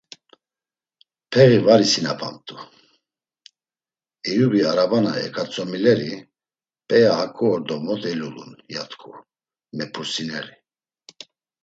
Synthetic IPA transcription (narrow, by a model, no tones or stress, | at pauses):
pʰɛɣivaɾisinapʰa̰nt̪ʼu | ɛjubiaɾabanaɛ̰kʰʼat͡sʼɔmilɛɾi | pʼɛjahakʼuːɾd̪ɔmɔt̪ɛlulṵnjat̪ʰkʰʼu | mɛpʰusinɛɾi